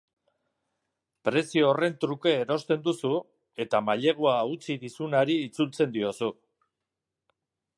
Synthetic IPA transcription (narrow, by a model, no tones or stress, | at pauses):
pɾe̞sioore̞nt̪ɾuke̞ːɾo̞st̪e̞nd̪usu | e̞t̪amaʎe̞ɣ̞uaut͡siðisunaɾiːt͡sult͡se̞nd̪io̞su